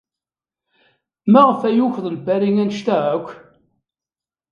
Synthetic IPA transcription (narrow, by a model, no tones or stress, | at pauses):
mæʁəfæjuçðˤəlbæɾiŋænʃt̪æʕækʷː